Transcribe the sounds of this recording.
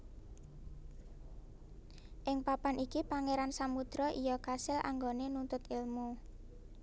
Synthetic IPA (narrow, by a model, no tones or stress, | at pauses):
ʔɪŋpapanʔikipaŋeɾansamud̪̥ɾɔʔijɔkasɪlʔa̰ŋɡonenunt̪ʊt̪ɪlmu